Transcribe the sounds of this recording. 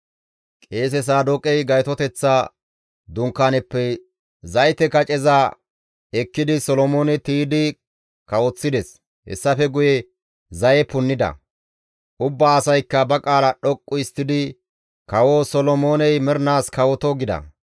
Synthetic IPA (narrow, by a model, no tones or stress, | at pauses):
kʼe̞ːs̬ɛs̬aːd̪ɔkʼɛjɡɐjt̪ɔt̪ɛt͡sːa | d̪ʊŋkːaːnɛpːɛ | zɐjt̪ɛkɐt͡ʃʼɛza | ɛkːɪd̪ɪsɔlɔmo̞ːnɛt̪iːd̪ɪ | kɐwɔt͡sːɪd̪ɛs | hɛ̰sːɐfɛɡʊjɛ | zɐjɛpʊnːɪd̪ɐ̰ | ʔʊbːaːsɐjkːɐbɐkʼaːlɐɗɔkʼːʊɪst̪ːɪd̪ɪ | kɐwoːsɔlɔmo̞ːnɛjmɛɾnaːskɐwɔt̪ɔɡɪd̪ɐ̰